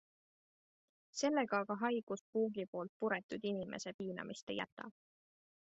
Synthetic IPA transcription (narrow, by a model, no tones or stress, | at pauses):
se̞lːe̞ɡ̥ɑɑɡɑɦɑjɡ̥uspuːɡipo̞ːlt̪̚puɾet̪ˑud̪̥inimʔe̞̰se̞piːnɑ̰mʔist̪ejæ̰t̪ːˑɑ̰